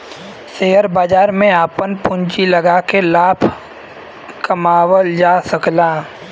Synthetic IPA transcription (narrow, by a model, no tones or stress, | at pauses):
seːəɾbaːd͡ʒaːɾmẽaːpənpʊ̃ɲt͡ʃilɐɡakelaːpʰ | kɐmaːwəld͡ʒaːsɐklaː